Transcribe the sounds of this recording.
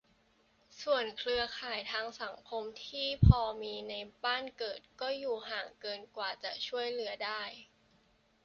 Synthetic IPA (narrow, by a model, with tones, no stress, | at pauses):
su˨˩ənkʰlɯ˧ɐkʰaː˨˩jt̪ʰaː˧ŋsa˩˦ŋkʰo˧mt̪ʰiː˥˩pʰɔː˧miː˧na˧jbaː˥˩nkɤː˨˩t̪̚kɔː˥˩juː˨˩ɦaː˨˩ŋkɤː˧nkwaː˨˩t͡ɕa˨˩t͡ɕʰu˥˩əjlɯ˩˦ɐdaː˥˩j